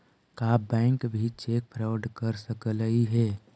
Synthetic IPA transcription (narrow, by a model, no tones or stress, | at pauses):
kaːbɛ̃ːŋkbʱit͡ʃek̚pʰɾawəɖkəɾsəkələiɦɛː